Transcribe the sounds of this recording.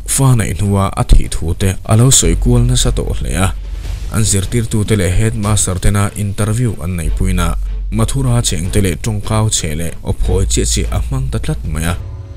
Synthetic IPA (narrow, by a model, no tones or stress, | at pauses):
faːnɐ̰jn̥uaʔɐ̰t̪ʰḭt̪ʰuːt̪ɛʔɐ̰lowsɔjkuəlnɐsɐt̪ɔ̰ʔlɛ̰ʔa | ʔɐ̰nzirt̪irt̪ut̪ɛlɛʔɦɛt̪̚maːsɐrt̪ɛnaʔint̪ɐrvuʔɐ̰nːɐjpujnamɐt̪ʰuɾaːt͡sʰɛŋt̪ɛlɛʈ͡ʂɔŋkaːwt͡sʰɛlɛʔʔɔ̰pʰɔjt͡siəʔt͡siʔɐ̰m̥ɐŋt̪ɐt͡ɬɐt̪̚mɐja